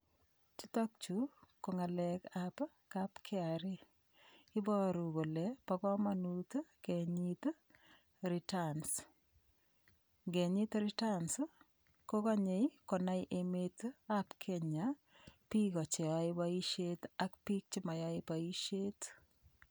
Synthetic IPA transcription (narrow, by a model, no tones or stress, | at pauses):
t͡ʃitɔk̚t͡ʃukoŋalɛkap | kapkʰeaɾi | ɪbɔɾuɣolɛpakɔmanutkɛɲit | ɾitans | ŋɡeɲitɾitans | kokɔɲekɔnajʔemetapkʰeɲa | pikɔt͡ʃeaibaiʃetakpik̚t͡ʃimajaipaiʃet